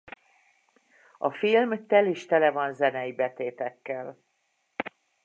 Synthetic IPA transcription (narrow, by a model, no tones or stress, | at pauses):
ɒfilmt̪ɛliʃt̪ɛlɛvɒnzɛnɛjibɛt̪eːt̪ɛkːɛl